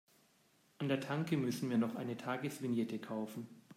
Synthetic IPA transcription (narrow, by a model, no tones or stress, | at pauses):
ʔandeːɐtʰaŋkəmʏsn̩viːɐnɔχʔa̰ɪnətʰaːɡəsv̥ɪnjɛtʰəkʰaʊfn̩